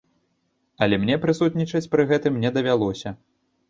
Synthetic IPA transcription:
ɐlʲɛmnʲɛpɾɨsut̪nʲit͡ʂɐt͡sʲpɾɨɣɛt̪ɨmːnʲɛd̪ɐvʲalˠɔsʲɐ

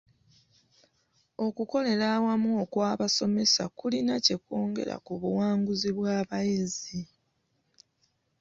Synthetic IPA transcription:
o̞kuko̞le̞ɾawamwokwaːβaso̞me̞sakulinace̞ko̞ːŋɡe̞̰ɾa̰kuβuwaːŋɡuziβwaːβajizi

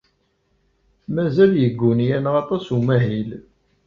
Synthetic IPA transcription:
mæzæljəɡːʊnjænʁɑt̪ˤɑsumæɦil

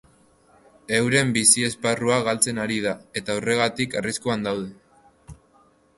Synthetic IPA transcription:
e̞wɾe̞mbisie̞sparuaɣ̞alt͡se̞naɾið̞ae̞t̪aore̞ɣ̞at̪ikariskuand̪awð̞e

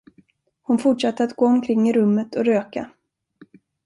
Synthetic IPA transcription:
hʊnfʊʈʂat̪ːəɾat̪ɡoːɔmkʰɾɪŋːɪɾɵmːət̪ʰɔɾøːka̰

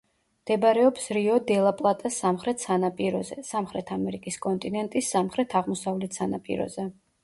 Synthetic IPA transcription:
md̪̥ɛbɾɛɔpsɾiɔd̪ɛlˠapʼlˠat̪ʼasːamχɾɛt̪ʰsanapʼiɾɔzɛ̰samχɾɛt̪ʰamɛɾikʼiskʼɔnt̪ʼinɛnt̪ʼisːamχɾɛt̪ʰaʁmɔsavlɛt̪sanapʼḭɾɔ̰zɛ

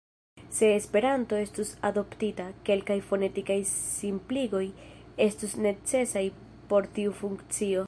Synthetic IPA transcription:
se̞ːspe̞ɾanto̞e̞stusado̞ptitake̞lkajfo̞ne̞tikajsimpliɡo̞j | e̞stusne̞t͡se̞saj | po̞ɾtiufuŋkt͡sio̞

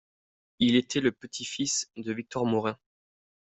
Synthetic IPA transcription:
ilet̪ʰɛləpət̪ʰifisd̪əvik̚t̪ɔʁmɔʁɛ̃

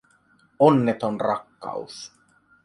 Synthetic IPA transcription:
onːet̪onrɑkːɑ̰us

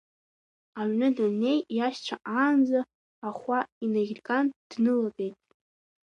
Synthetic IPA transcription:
aɥnɨdanne̞jjaʃt͡ɕʷʰaʔaːnd͡zaː | χʷainaɣʲrkʼand̥nɨlabejtʼ

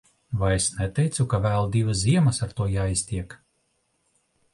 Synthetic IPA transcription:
vajesnɛt̪ɛjt̪sukavæːlˠd̪ivasziɛmɐsaɾt̪uɔjaːist̪ʲiɛk

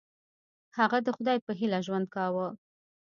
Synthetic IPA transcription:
haɣad̪əxʊd̪ɑjpəɦilaʒwand̪̚kɑwə

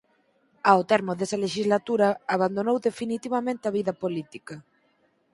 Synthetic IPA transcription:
aot̪ɛɾmoðesɐleʃizlat̪uɾɐaβand̪onowðefinit̪iβɐmẽnt̪ɪaβiðɐpolit̪ikɐ

